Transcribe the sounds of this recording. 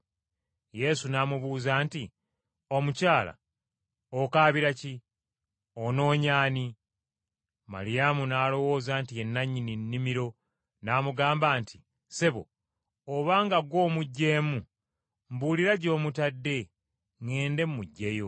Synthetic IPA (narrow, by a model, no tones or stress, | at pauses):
je̞sunaːmuβuːzaːnti | o̞mucaːla̰ | okaːβiɾaci | ono̞ːɲaːni | ma̰ɾijamunaːlo̞wo̞ːzaːntie̞nːaɲininːimiɾo̞ | naːmuɡaːmbaːntʰi | seβo̰ | oβaːŋɡaɡwo̞ːmuɟːe̞ːmu | mbuːliɾaɟo̞ːmutadːe̞ | ŋeːnde̞mːuɟːejo